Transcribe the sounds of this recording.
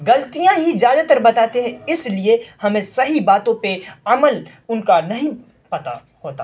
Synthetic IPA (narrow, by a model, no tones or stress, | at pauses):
ɡɐlt̪ijãɦizjaːd̪at̪ɐɾbɐt̪aːt̪eɦɛ̃ɪsliehɐmẽsɐɦibaːt̪õpeɐməl | ʊnkanɐɦĩ | pɐt̪a̰ | hoːt̪a